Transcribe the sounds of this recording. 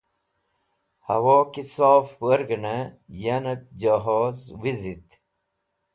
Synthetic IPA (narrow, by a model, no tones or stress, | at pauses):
hɐ̰woːkisaːfwɐɾɡənəjanɐk̚d͡ʑaɦoːzwizit̪